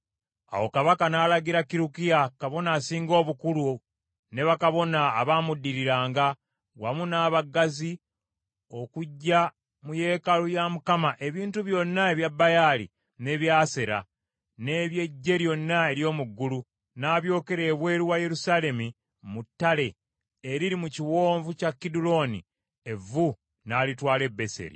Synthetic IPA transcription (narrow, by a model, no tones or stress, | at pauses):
a̰wo̞kaβakanaːlaɡiɾakiɾukijakaβo̞naːsiːŋɡo̞ːβukulu | ne̞βakaβo̞naːβaːmudːiɾiɾaːŋɡa | wamunaːβaɡazi | o̞kuɟːa | muje̞ːkalujamukamaʔe̞βiːntuβjo̞nːae̞βjabːajaːlḭ | ne̞ːβjaːseɾa̰ | ne̞ːβje̞ɟːe̞ɾjo̞nːae̞ɾjo̞ːmuɡːulu | naːβjo̞ːke̞ɾe̞ːβwe̞ːɾiwaje̞ɾusaːle̞mi | mutːale̞ | eɾiɾimuciwo̞ːɱvucakːidulo̞ːnḭ | e̞vu | naːlitwaːle̞bːe̞se̞̰ɾḭ